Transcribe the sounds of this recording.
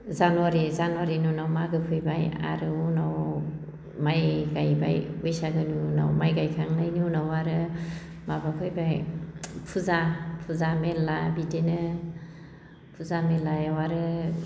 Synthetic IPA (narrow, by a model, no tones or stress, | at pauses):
zanuwaɾizanuwaɾinunawmaɡɯpʰɯjbaja̰ɾɯunaw | majɡajba̰jujsaɡɯnuna̰wmajɡajkʰaŋnajnunawaɾɯ | mabakʰɯjbajpʰuzapʰuzamelabidenɯ | pʰuzamelajawaɾɯ